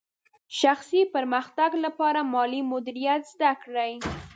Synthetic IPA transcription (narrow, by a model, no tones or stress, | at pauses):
ʃaxsipaɾmaxt̪aɡlapɑɾamɑlimʊd̪ɪɾijat̪zd̪akɽaj